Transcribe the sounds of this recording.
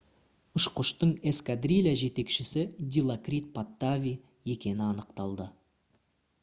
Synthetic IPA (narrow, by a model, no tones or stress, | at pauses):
ʊʃqʊʃt̪əɴe̞skad̪rʲilʲaʒe̞t̪e̞kʃɪsɪd̪ʲilˠakrʲit̪̚pat̪ːavʲi | je̞kʲe̞nɪɑnəqt̪ɑlˠd̪ə